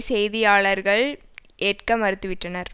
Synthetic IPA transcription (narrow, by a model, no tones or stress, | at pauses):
sɛjðɪjaːɭɐɾɣɐɭʔeːʈkɐmɐɾɯt̪ːɯʋɪʈrɐnɐɾ